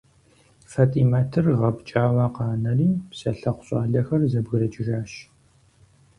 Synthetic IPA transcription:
fatʼiːmaːtʰɨrʁɐbt͡ʃʼaːwɐqɑːnɐriːpsɐɬɐqʷʊ̥ɕʼa̰ːɮɐxɐrzɐbɣɨɾɐt͡ʃʼɪʒaːʃ

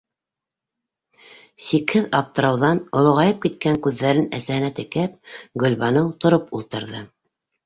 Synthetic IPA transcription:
sikhɘðɑp̚t̪ɤ̆ɾɑwðɑnŏlˠŏʁɑjɤp̚kit̪kæŋkʉðːæɾɘnæ̰sæhɘ̆næt̪ɘ̆kæp̚ɡɵ̆lβɑnɤwt̪ŏɾopulˠt̪ɤ̆ɾðɤ

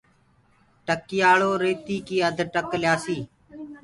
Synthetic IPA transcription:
ʈəkɪjaːɭoːɾeːt̪iːkiːəd̪ʱʈəkljaːsiː

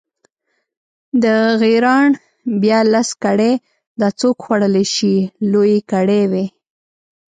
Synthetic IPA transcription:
d̪əɣiɾɑɳ | bjɑlaskaɽe | d̪ɑt͡sokxwaɽəleʃilojekaɽewe

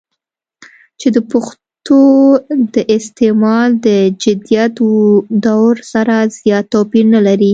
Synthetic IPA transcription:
t͡ʃed̪əpʊx | t̪od̪əʔɪst̪emɑld̪əd͡ʒɪd̪ijat̪d̪awɾsaɾaz̥jɑt̪ːopinəlaɾi

